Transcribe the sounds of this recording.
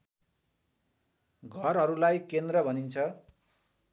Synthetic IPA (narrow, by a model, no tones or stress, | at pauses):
ɡʱʌrɦʌɾulajkend̪rʌbʱʌnint͡sʰʌ